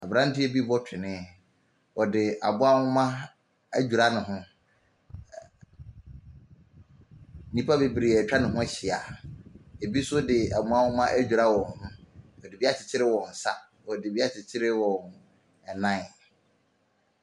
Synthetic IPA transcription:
a˨bɾã˦n̩˦tɪ˦e˦bi˦bɔ˦tʰɪ˨nɪ̃˦˨ | wɔ˨dɪ˨ʔa̰˨bʊ˦a˦hʊ̃˦mã˦ | æ̰˦d͡ʑᶣu˨ɾa˦nʊ̃˨ɦʊ̃˦ | nĩ˦pʰa˦be˨bi˨ɾe˨æ˨t͡ɕᶣa˦nɪ̃˨ɦʊ̃˦ɕɪ˨a˨ | e˨bi˦sʊ˦dɪ˨a˨mũ˦a˦hʊ̃˦mã˦ʔæ˦d͡ʑᶣu˨ɾa˦wɔ̃˨hʊ̃˨nʊ̃˦ɔ˨dɪ˨bi˦a˦t͡ɕʰɪ˨t͡ɕʰɪ˦ɾɪ˦wɔ̃˨n̩˨sa̰˦ | ɔ˨dɪ˨bi˦a˦t͡ɕʰɪ˨t͡ɕʰɪ˦ɾɪ˦wɔ̃˨n | ɛ˨nã˦˨

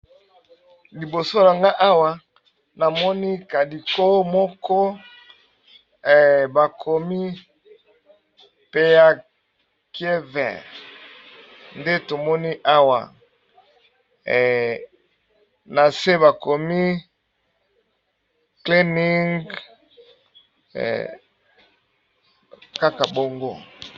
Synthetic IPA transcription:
li˨bo˨so˦na˨ŋɡa˦ʔa˦wa˨ | na˨mɔ˦ni˦ka˨di˨ko˦mɔ˦kɔ˦˨ | ba˨kʰɔ˨mi˦ | pe˦ja˨ | ke˦vɛ̰˨ | nde˦to˨mɔ˦ni˦ʔa˦wa̰˨ | na˨se˦βa˨ko˨mi˦ | kli˦ni˦ŋɡ | ka˦ka˨bo˨ŋɡo̰˦˨

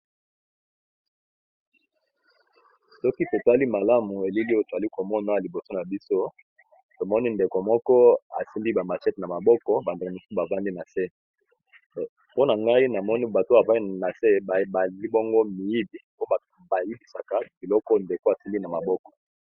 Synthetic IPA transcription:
sɔ˦ki˦to˨ta˦li˦ma˨la˦mu˨e˨li˦li˦o˦to˨a˨li˦ko˨mɔ˦na˨˦a˨li˨bo˨so˦na˨bi˦so˦ | to˨mɔ˦ni˦nde˨ko˨mɔ˦kɔ˦a̰˨si˦nbi˦ba˨ma˨t͡ʃɛ˦tna˨ma˨bɔ˦kɔ˦ba˨nde˨ko˨mu˨so˦ba˨va˦mdi˦na˨se˦˨ | po˦na˨ŋɡa˦i˦na˨mɔ˦ni˦ba˨to˦a˨va˦na˨se˦˨a˨li˦bɔ˦ŋɡo˦mi˨ji˦li˨po˦˨ | ba˨i˦bi˨sa˨ka˨b̥i˨lɔ˦kɔ˦nde˨ko˦a˨si˦mbi˦na˨ma˨bɔ˦kɔ̥˨

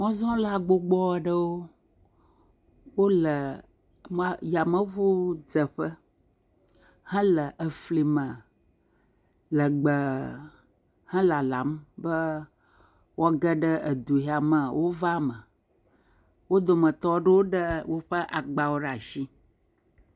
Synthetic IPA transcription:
mɔ̃˦zɔ̃˦la˨ɡ͡bo˦ɡ͡bɔ˦˨ɖə˦wo˦ | wo˦lə˨ | ma˦ja˨mə̃˦ɸu˦d͡zə˨ɸə˦ | hɛ̃˦lə˨ʔə˨fli˨mə̃˨ | lə˨ɡ͡bə˨ | hɛ̃˦la˨la˨mbə˦ | wʔɔ˦ɡə˦ɖə˦ə˨d̪u˨ɦi˨˦a˨mə˨wo˦va˦mə˨ | wo˦d̪o˨mə̃˨t̪ɔ˦ɖə˦wo˦ɖə˦wo˦ɸə˦ʔa˨ɡ͡ba˨wo˦ɖa˨ʃi˦

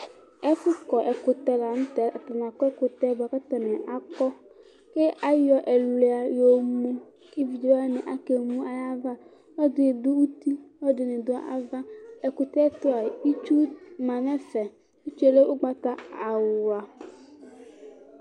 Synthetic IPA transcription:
ɛ˦fʊ˦kɔ˨ʔɛ˨kʊ˨tɛ˨la˨n̩˦tɛ˨a˨ta˨n˨kɔ˦ɛ˦kʊ˨tɛ˦ba˨ka˦ta˨nɛ˨ʔa˦kɔ˦ | ke˦ʔa˦jɔ˦ʔɛ˨le˨a˨jo˨mu˦ | ki˦vi˨d͡ʒa˦nɪ˨ʔa˦ke˨mu˦a˨ja˦va˦ | ɔ˦dɪ˨dʊ˦u˦ti˦ɔ˦dɪ˨nɪ˨dʊ˨a˨ʔa̰˦va˦ɛ˨kʊ˨tɛ˦tʊ˦a˨i˦t͡ʃu˦ma˨nɛ˦fɛ˨ | i˦t͡ʃu˦e˨le˦ʔʊ˦ɡ͡ba˦ta˦a˨wʊ˨a˨

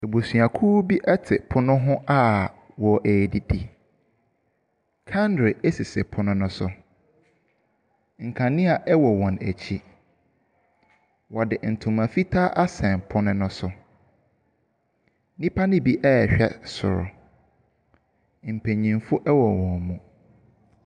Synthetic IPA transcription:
e˨bo˨sɥa˨kʰuː˦bi˦ʔɛ˦tʰɪ˨pʰʊ˦nʊ̃˦ɦʊ̃˦ʔa˦ | wɔ˨ʔe˨di˦di˨ | kʰã˦ndɾe˨e˦si˨sɛ˨pʰʊ˦nʊ̃˦nʊ̃˦sʊ˨ | ŋ̩˨kʰã˨nɪ̃˦a˨ʔɛ˦wɔ˨wɔ̃˨næ̰˨t͡ɕʰi˦ | wɔ˨dɪ˨n̩˨tʰʊ̃˨mã˨fi˦tʰaː˦ʔa˦sɛ̃˨npʰʊ˦nʊ̃˦nʊ̃˦sʊ˨ | nĩ˦pʰa˦nɪ̃˦bi˦ʔɛ˦˨ɕᶣɛ˦sʊ̰˨ɾʊ̰˨ | m̩˨pʰẽ˨ɲĩ˨mfʊ˦ʔɛ˦wɔ˨wɔ̃˨n˨mũ˨

